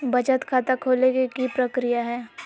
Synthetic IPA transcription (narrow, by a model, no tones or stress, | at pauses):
bɐt͡ʃət̪kʰaːt̪akʰoːlekikipɾəkɾijaɦɛː